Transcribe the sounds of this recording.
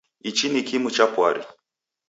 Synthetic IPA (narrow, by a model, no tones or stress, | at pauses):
it͡ʃinikimut͡ʃapwaɾḭ